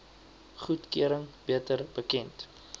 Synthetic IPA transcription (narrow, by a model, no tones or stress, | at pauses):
χutkyəɾəŋbiətərbəkɛnt